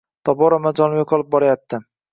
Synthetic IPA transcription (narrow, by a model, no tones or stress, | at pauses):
t̪ʰɒbɒɾamad͡ʒɒnɪɪqʰɒlɪp̚bɒɾajap̚t̪ʰɪ